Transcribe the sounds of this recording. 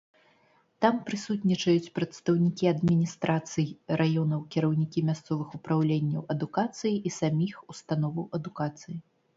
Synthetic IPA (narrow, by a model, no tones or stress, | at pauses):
t̪ampɾɨsut̪ʲnʲit͡ʂɐjut͡sʲpɾɐt̪st̪ɐwnʲikʲiɐd̪mʲinʲist̪ɾat̪sɨjrajɔnɐwkʲɛɾɐwnʲikʲimʲast̪sɔvɨxupɾawlʲenʲːɐwɐd̪ukat̪sɨjiʔisamʲixust̪an̪ɔvɐwʔɐd̪ukat̪sɨji